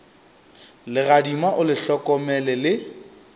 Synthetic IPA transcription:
lɪɣadimaʔʊlɪɬɔkɔmɛlɛlɪ

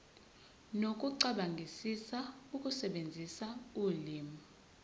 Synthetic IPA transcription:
nok̬ʼuǀaɓaŋɡʱisisauk̬ʼusɛɓend͡zʱisauːliːmu

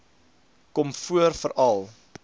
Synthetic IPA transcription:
kɔmfuərfəɾɐlˠ

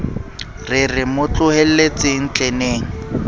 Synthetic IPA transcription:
rɪrɪmʊt͡ɬʊhel̩let͡sʼɪŋ̩t͡ɬʼeneːŋ̩

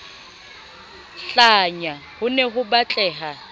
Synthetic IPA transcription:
ɬaɲa | hʊnɛɦʊbat͡ɬʼɛːɦa

